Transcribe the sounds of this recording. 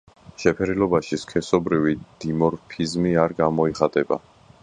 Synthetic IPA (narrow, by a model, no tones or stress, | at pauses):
ʃɛpʰɛɾilɔbaʃiskʰɛsɔbɾivid̪̥imɔɾpʰizmiaɾɡamɔiχat̪ʼɛba